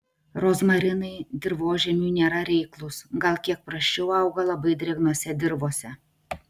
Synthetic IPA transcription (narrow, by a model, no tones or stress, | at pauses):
ɾoːsmɐɾʲɪnɐɪd̪ʲɪɾʋoːʒʲɛmʲuːnʲeːɾɐɾʲɛɪklˠʊsɡɐlˠkʲiɛk̚pɾɐʃʲt͡ʃʲɛʊɐʊɡɐlˠɐbɐɪd̪ʲɾʲɛɡnuɔsʲɛd̪ʲɪɾʋoːsʲɛ